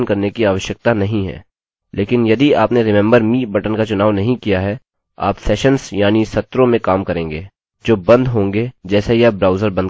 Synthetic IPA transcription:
nkɐɾnekiaːʋəʃjək̚t̪anɐɦĩɦɛ̰ː | leːkɪnjɐd̪iaːpneɾɪmɛ̃ːmbəɾmiːbɐʈənkat͡ʃʊnaːʋnɐɦĩkijaɦɛ | a̰ːpsɛːʃənsjaːnisɐt̪ːɾõmẽkaːmkɐɾẽːŋɡeː | d͡ʒoːbɐ̃nd̪ɦõːŋɡed͡ʒɛːsejɐbɾaːʊzəɾbɐ̃nd̪

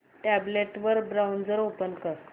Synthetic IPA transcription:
ʈæbleʈʋəɾbɾawnd͡zəɾopənkəɾ

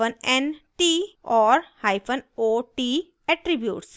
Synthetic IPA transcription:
ənɛ̃nʈiːɔːɾhaɪpʰə̃noːʈi | ɛʈɾibjuːʈs

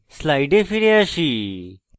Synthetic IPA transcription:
slajɖefiɾeaɕi

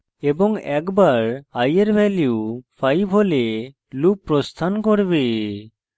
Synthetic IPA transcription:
ebɔŋɛkbaɾajeɾbʱɛljiupʰajbʱɦole | lupːɾɔst̪ʰankoɾbe

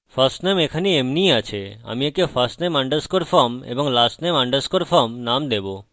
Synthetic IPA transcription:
fʰəɾsʈnemekʰaniemniat͡ɕʰea̰miekefəsʈnemaɳɖəskoɾfʰəmḛbɔŋlasʈnemaɳɖəskoɾfʰəmnamd̪ebo

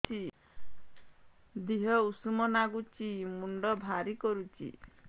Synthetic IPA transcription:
i | d̪iɦɔusumɔnaɡut͡ʃimuɳɖɔbʱaɾikɔɾut͡ʃʰḭ

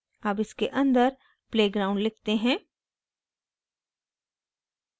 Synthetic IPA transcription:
aːpɪskeʔɐ̃nd̪əɾ | pleːɡɾaːʊ̃ɳɖlɪkʰt̪eɦɛ̃ː

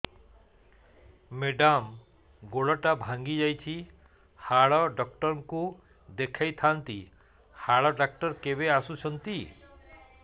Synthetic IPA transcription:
meɖam | ɡoɽɔʈabʱãŋɡid͡ʒajt͡ʃʰi | haɭɔɖɔkʈɔɾɔŋku | d̪ekʰajt̪ʰant̪i | haɭɔɖak̚ʈɔɾkebeasut͡ʃʰɔnt̪i

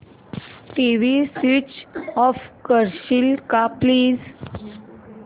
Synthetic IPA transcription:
ʈiʋisʋit͡ʃɔfkəɾɕilkapliːz

